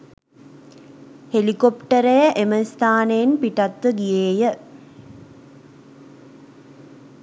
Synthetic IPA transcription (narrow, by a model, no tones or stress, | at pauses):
helikopʈəɾejəʔeməst̪ʰaːnejenpiʈat̪ʋəɡijeːjə